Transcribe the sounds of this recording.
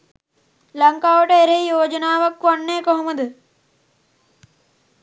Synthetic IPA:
lɐŋkaːʋɐʈeeɾeijoːd͡ʒɐnaːʋɐkːʋɐɳːeːkoɦomɐd̪ɐ

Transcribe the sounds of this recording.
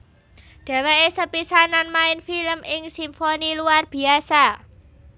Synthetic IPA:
ɖ̪̥a̤weʔesəpisananmaɪnfiləmʔɪŋsimfoniluarb̥i̤asa

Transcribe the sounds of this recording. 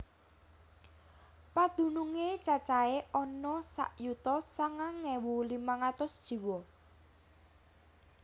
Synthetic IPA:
pad̪̥ṳnuŋet͡ʃat͡ʃaeʔɔnɔsa̰ʔjut̪ɔsaŋaŋɛwulimaŋat̪ʊsd̥ʒ̥i̤wɔ

